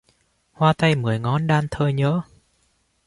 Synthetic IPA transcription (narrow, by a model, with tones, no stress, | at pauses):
hwaː˧t̪a˧jmɨ˨˩əjŋɔ˨˦nɗaː˧nt̪ʰəː˧jɲə̰ː˧˥˦